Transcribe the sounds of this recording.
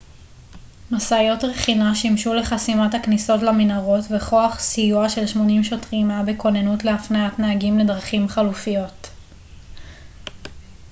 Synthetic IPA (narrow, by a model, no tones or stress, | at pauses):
masajo̞tʁeχinaʃimʃule̞χasimathakniso̞tlaminaʁo̞tveχo̞aχsijuaʃe̞lʃmo̞nimʃo̞tʁimabeko̞nenutleafnaatnaːɡimle̞dʁaχimχalufijo̞t